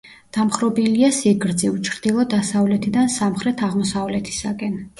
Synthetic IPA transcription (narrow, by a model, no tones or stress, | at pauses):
d̪̥amχɾɔbiliasiɡɾd̪ziut͡ʃʰɾd̪̥ilˠɔd̪asavlɛt̪ʰid̪ansamχɾɛt̪ʰaʁmɔsavlɛt̪ʰi̥sakʼɛn